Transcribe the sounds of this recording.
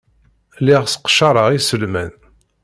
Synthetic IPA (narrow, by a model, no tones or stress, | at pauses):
liʁsə̥qʃɑɾˤəʁisəlmæn